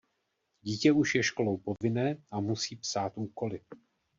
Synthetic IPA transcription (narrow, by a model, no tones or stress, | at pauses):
ɟiːcɛuʃjɛʃko̞lo̞wpo̞vɪnɛːʔamusiːpsaːt̪ʔuːko̞lɪ